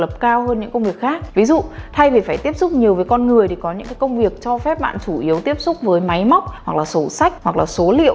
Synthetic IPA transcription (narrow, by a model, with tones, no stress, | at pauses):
lə˨˩p̚kaː˧whəː˧nɲɨ̰˧˥ŋkə˧wŋ͡mvi˨˩ək̚xaː˦˥k̚vi˨˦zṵ˧˨t̪ʰa˧jvi˨˩faː˧˩jt̪i˦˥əp̚sʊ˦˥k͡p̚ɲi˨˩əwvəː˨˦jkɔ˧nŋɨ˨˩əjt̪ʰi˨˩kɔ˨˦ɲɨ̰˧˥ŋkaː˨˦kə˧wŋ͡mvi˨˩ək̚t͡ɕɔ˧fɛ˦˥p̚ɓa̰ː˧˨nt͡ɕu˧˩ʔi˨˦əwt̪i˦˥əp̚sʊ˦˥k͡p̚vəː˨˦jma˨˦jma˦˥wk͡p̚hwa˨˩k̚laː˨˩so˨˧˩sa˦˥jk̟̚hwa˨˩k̚laː˨˩so˨˦lḭ˧ə˨